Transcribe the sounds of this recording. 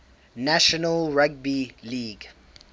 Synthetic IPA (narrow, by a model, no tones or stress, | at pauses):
næʃɔnəlɹaɡ̚biliːɡ